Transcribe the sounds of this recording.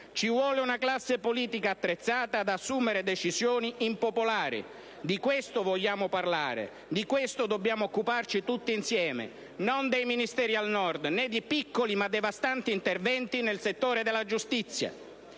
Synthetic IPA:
t͡ʃivwɔːlɪunaklasːepoliːt̪ikaːt̪ːɾet̪sːaːt̪aːd̪asːuːmɪɾed̪ɛt͡ʃizjoːniimpopolaːɾḭ | d̪ikwest̪ʊvɔʎːaːmʊparla̰ːɾɪ̰ | d̪ikwest̪ʊd̪obːjaːmʊːkːupart͡ʃit̪ut̪ːiinsjɛːmḛ | nɔnd̪ejminist̪ɛːɾialnɔrd̪nɛd̪ipikːolimad̪ːevast̪ant̪iːnt̪ervɛnt̪inelset̪ːoːɾed̪ɛlːad͡ʒust̪it̪sːja̰

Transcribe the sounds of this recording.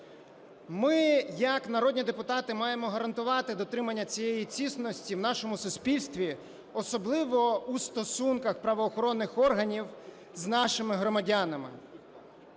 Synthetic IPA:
mɪjɐknɐɾɔd̪ʲnʲid̪epʊt̪ɑt̪ɪmɑjemɔɦɐɾɐnt̪ʊʋɑt̪ɪd̪ɔt̪ɾɪmɐnʲːɐt͡sʲijejit͡sʲisnɔsʲtʲiwn̪ɑʃɔmʊsʊspʲilʲst̪ʋʲi | ɔsɔblˠɪʋɔust̪ɔsunkɐxpɾɐʋɔːxɔɾɔnːɪxɔrɦɐnʲiw | znɑʃɪmɪɦɾɔmɐdʲanɐmɪ̰

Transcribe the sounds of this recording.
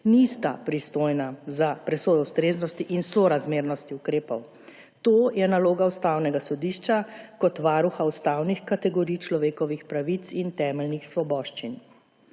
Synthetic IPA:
nist̪a̰pɾist̪oːjnazapɾɛsoːjwst̪ɾeːznɔst̪iʔinsɔɾazmeːɾnɔst̪iukɾeːpɔw | t̪oːjɛnaloːɡaust̪awnɛɡasɔd̪iːʃt͡ʃakɔt̪ʋaːɾuxaust̪awnixkat̪ɛɡɔɾijt͡ʃlɔʋeːkɔʋixpɾaʋit̪sint̪ɛːmɛlnixsʋɔbɔːʃt͡ʃin

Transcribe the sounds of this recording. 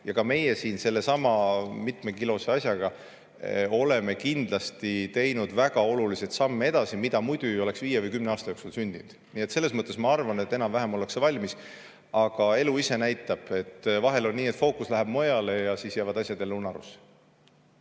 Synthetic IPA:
jɑkɑme̞jesiːnse̞lːe̞sɑmɑmit̪me̞kilo̞seɑsjɑɡ̥ɑ | o̞le̞me̞kind̪lɑst̪it̪e̞jnud̪̥væɡ̥ɑo̞lulisejt̪sɑmːee̞d̪̥ɑsimid̪̥ɑmujd̪̥uo̞le̞ksviːjevɤjkymneɑːst̪ɑjoksulsynʲd̪̥ḭnd̪̥niːe̞t̪se̞lːesmɤt̪ːˑe̞smɑɑrvɑne̞t̪ːe̞nɑmvæɦemo̞le̞ksevɑlʲmis | ɑɡ̥ɑe̞luise̞næjt̪ːˑɑb̥e̞t̪ːvɑɦe̞lo̞nniːet̪ːfo̞ːkuslæɦæb̥mo̞jɑle̞jɑsiːsjæːvɑd̪ɑsʲjɑd̪e̞lunɑɾṵs

